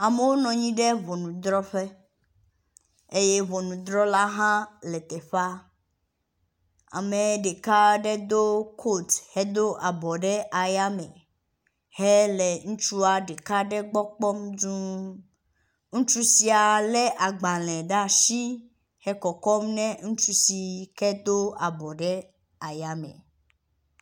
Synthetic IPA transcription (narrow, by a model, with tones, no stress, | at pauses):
a˨me˦wo˦nɔ̃˨ɲĩ˦ɖɛ˦vɔ˨nũ˨d̪ɾɔ˦ɸe˦ | e˦je˦vɔ˨nũ˨d̪ɾɔ˦la˦ɦã˦lɛ˨t̪ɛ˨ɸa˦ | a̰˨me˨ɖe˨ka˦ɖɛ˦d̪o˦kʰo˦˨thɛ˦d̪o˦ʔa˨bɔ˨ɖɛ˦ʔa˨ja˦mɛ̰̃˨ | hɛ˦lɛ˨ŋũ˦t͡ʃu˦a˨ɖe˨ka˦ɖɛ˦ɡ͡bɔ˦k͡pɔ˦mdũ˦ | ŋũ˦t͡ʃu˦si˨a˨lɛ˦ʔa˨ɡ͡ba˨lɛ̃˨ɖa˦ʃi˦ | hɛ˦kɔ˨kɔ˦mnɛ̃˦ŋũ˦t͡ʃu˦si˨kɛ˦d̪o˦a˨bɔ˨ɖɛ˦ | a˨ja˦mɛ̰̃˨